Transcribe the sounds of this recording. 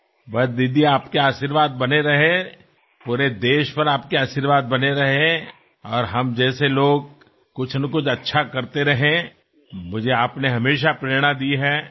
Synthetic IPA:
bɐtd̪ɪd̪iaːpkeaːʃiɾʋaːd̪̚bɐneɾɐɦe | puːɾed̪eːʃpɐɾaːp̚keaːʃiɾʋaːd̪̚bɐneɾɐɦe | ɔːɾɦɐmd͡ʒɛːseloːɡ̚ | kʊt͡ʃʰnɐkʊt͡ʃʰɐtːʃʰakɐɾt̪eɾɐɦẽ | mʊd͡ʒʱeaːpneɦɐmeːʃapɾeːɾɽ̃ad̪iɦɛː

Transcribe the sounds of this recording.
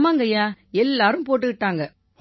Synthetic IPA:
maːŋɡɐjaːɛlːaːɾɯmpoːʈ̬ːɯkɪʈːaːŋɡɐ

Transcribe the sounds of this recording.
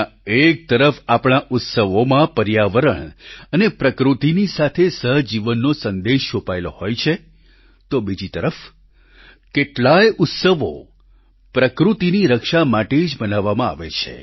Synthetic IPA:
ek̚t̪əɾəfapɳaʔʊt̪səʋomãpəɾjaʋəɾəɳənepɾəkɾut̪inisat̪ʰesəɦd͡ʒiʋənːosənd̪eʃt͡ʃopaeloɦojt͡ʃʰe | t̪obid͡ʒit̪əɾəf | keʈlajʊt̪səʋo̰ | pɾəkɾut̪iniɾəkʃamaʈed͡ʒbənaʋːamãa̰ʋḛt͡ʃʰḛ

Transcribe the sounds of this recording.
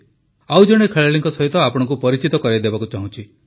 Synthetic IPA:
awd͡ʒɔɽ̃ekʰeɭaɭiŋkɔsɔɦit̪ɔapɔɽ̃ɔ̃ŋk̬upɔɾit͡ʃit̪ɔkɔɾajd̪ebakut͡ʃaɦũt͡ʃʰi

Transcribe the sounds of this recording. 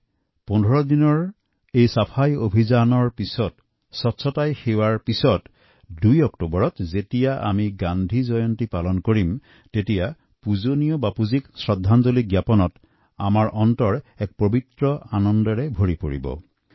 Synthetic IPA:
pɔndʱɔɹɔdinɔɹ | ejsapʰajobʱizanɔɹpisɔt | sɔtsʰɔtajxewaɹpisɔt | dujɔktobɔɹɔtzetijaʔa̰miɡandʱizɔjɔntipalɔnkoɹim | tetija | puzonijɔbapuziksɹɔdʱːanzoliɡjapɔnɔt | amaɹʔɔntɔɹɛk̚pɹobʱitɹɔanɔndɔɹɛbʱoɹipoɹḭbɔ̰

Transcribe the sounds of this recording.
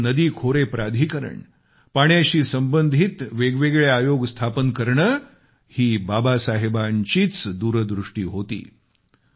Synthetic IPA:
nəd̪iːkʰoɾepɾad̪ʱiːkəɾə̰ɳ | paɳjaɕiːsəmbənd̪ʱit̪ʋeɡʋeɡɭjeajoɡst̪ʰapənkəɾɳə | hiːbabasaɦebaɲt͡ɕiːt͡sd̪uɾd̪ɾuʂʈḭːɦot̪ḭː

